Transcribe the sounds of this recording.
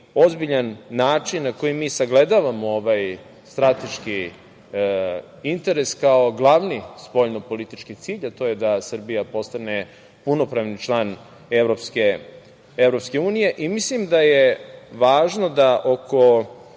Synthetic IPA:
o̞zbiʎanːaːt͡ʂinːako̞jimiːsaɡle̞d̪aʋamo̞oʋaj | st̪ɾat̪e̞ʃki | int̪e̞ɾeskao̞ɡlˠaʋnispo̞ʎnopo̞lit̪it͡ʃkit̪siːʎat̪o̞jed̪asr̩bijapo̞st̪ane̞ | puno̞pɾaʋnit͡ʃlˠaːn | evɾo̞pske | evɾo̞pskeuːnije̞ʔimislimd̪ajeʋaːʒno̞d̪aʔokʰo̞

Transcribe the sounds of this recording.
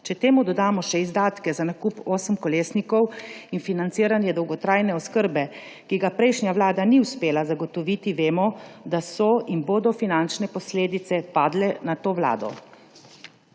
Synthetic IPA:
t͡ʃɛt̪eːmud̪ɔd̪aːmɔʃɛizd̪aːt̪kɛzanakupoːsəmkɔleːsnikɔwinfinant̪siːɾanjɛd̪ɔwɡɔt̪ɾajnɛɔskəɾbɛ | kiɡapɾɛjʃnjawlaːd̪aniwspeːlazaɡɔt̪ɔʋiːt̪iʋeːmɔd̪asɔinboːd̪ɔfinant͡ʃnɛpɔsleːd̪it̪sɛpaːd̪lɛnat̪oːwla̰ːd̪ɔ̰

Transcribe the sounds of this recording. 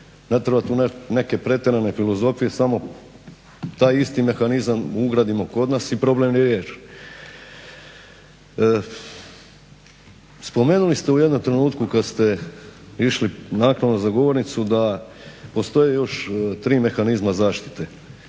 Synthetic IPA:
net̪ɾebat̪uːnene̞ke̞pɾe̞t̪eɾane̞filˠo̞zo̞fije̞samo̞ | t̪aːjist̪ime̞xanizamuɡɾaːd̪imoko̞d̪naːsipɾo̞blemniɾjeːt͡ʃ | spo̞me̞ːnulist̪e̞uje̞d̪nomt̪ɾe̞nuːt̪kukad̪st̪e̞ | iʃlinaːkɾaʋnozaɡo̞ʋo̞ɾnit̪sud̪apo̞st̪o̞jejo̞ʃt̪ɾiːme̞xanizmazaːʃt̪i̥t̪e

